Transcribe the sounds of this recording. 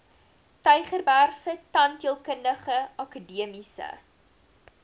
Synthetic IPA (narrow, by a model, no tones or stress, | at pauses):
tœɥχərbæːrsətɐntiəlˠkəndəχəɐkədiəmisə̰